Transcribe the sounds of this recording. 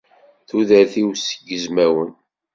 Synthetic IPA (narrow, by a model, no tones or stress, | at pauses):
θuðæɾθiwsəɡːəzmæwən